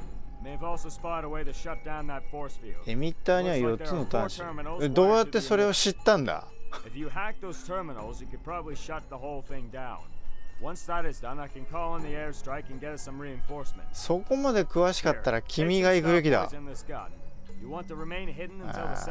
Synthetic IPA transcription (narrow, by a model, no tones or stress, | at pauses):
meɪɨvɔlˠsoʊspɑɪɾəweɪɾɨʃʌt̚d̥ãʊ̃nðətfɔɹsfḭlˠdemʲit̪ːaːɲ̟iβajo̞tt͡sɨno̞t̪ãnɕə˞mn̩ˠed̪o̞ːjat̪ːe̞so̞ɾe̞oɕit̪ːãnd̪a̰ | ɨfjɨhæk̚ðoʊz̥tʰɜ˞mənl̩ˠzjɨkɨd̚pʰɹ̥ɑbəbliʃʌt̪̚ðəɦoʊlˠθɪ̃ŋdãʊ̃nwʌ̃nsðəɾɨzdʌ̃naɪkɨ̃nkʰɔlˠə̃nðiɛɹstɹ̥aɪkɨ̃nɡɛɾɨsʌ̃mɹiɨ̃nfɔɹsmɨ̰̃ntsso̞ko̞mad̪e̞kɯ̟βaɕi̥kat̪ːaɾakʲʰimʲiɡaikɯbe̞k̬ʲid̪a̰ɨ̃nðɨskʌ̰t̚jɨwɑ̃ntɨɹɨmẽɪ̃nɦɪdⁿn̩ɨ̃na̰